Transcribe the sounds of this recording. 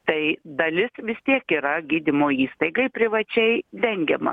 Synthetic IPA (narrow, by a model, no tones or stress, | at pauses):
t̪ɐɪd̪ɐlʲɪsʋʲɪst̪ʲiɛkiːɾɐɡʲiːd̪ʲɪmoːiːst̪ɐɪɡɐɪpʲɾʲɪʋɐt͡ʃʲɛɪd̪ʲɛŋʲɡʲɛmɐ̰